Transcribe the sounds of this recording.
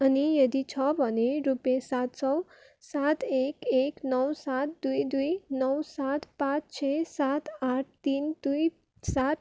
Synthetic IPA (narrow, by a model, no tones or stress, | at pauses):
anijəd̪it͡ɕʰɔpəneɾupjesat̪sɔw | sat̪ekeknəwsat̪̚d̪ujd̪uinəwsat̪pat͡st͡ɕʰesat̪aʈ̚t̪iːnd̪uj | sat̪